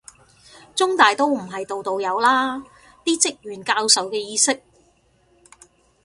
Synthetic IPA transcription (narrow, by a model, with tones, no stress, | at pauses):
t͡sʊ˥ŋt̪aː˨jt̪o˥wm̩˨˩ɦɐ˨jt̪o˨wt̪o˨wjɐ˨˧wlaː˥ | t̪iː˥t͡sɪ˥k̚jyː˨˩nkaː˧wsɐ˨wkɛː˧jiː˧sɪ˥k̚